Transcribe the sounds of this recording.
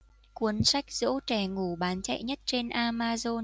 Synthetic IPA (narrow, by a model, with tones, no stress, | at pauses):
ku˨˦ənsa˦˥jk̟̚z̥o̰˧˥t͡ɕɛ˧˩ŋu˧˩ɓaː˨˦nt͡ɕa̰˧˨jɲə˦˥t̚t͡ɕe˧nʔaː˧maː˧zo˧n